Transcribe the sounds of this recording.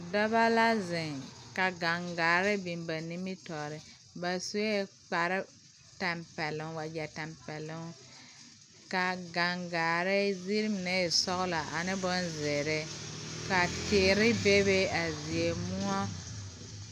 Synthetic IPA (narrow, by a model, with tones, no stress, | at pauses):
dɔ˦ba˦la˦zɪ˨ŋka˨ɡa˨ŋɡaː˨ɾɪ˦bi˨mba˨ni˦mi˦tɔ˨ɾɪ˨ | ba˨su˦e˦ | k͡pa˨ɾɪ˦ | ta˨mpɛ˨lʊ˨ŋwa˨d͡ʒɛ˨ta˨mpɛ˨lʊ˦ŋ | ka˨ɡa˨ŋɡaː˨ɾɪ˦zi˦ɾi˦m˨ne˦˨sɔ˦ɣla˨ʔa˨nɪ˦bʊ˦nzɪ˨ɾɪ˦ka˨tɪ˨ʔɾɪ˦be˦be˦a˨zi˨e˨mu˦a˦